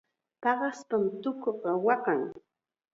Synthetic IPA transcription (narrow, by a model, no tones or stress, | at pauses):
pɑɢɑspamt̪ʊkoqɑwɑqɑŋ